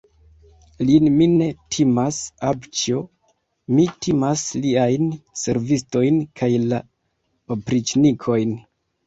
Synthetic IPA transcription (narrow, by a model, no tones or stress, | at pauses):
linmine̞tʰimasabt͡ʃo | mitʰimasliajnse̞ɾvisto̞jnkʰajla | opɾit͡ʃnikʰo̞jn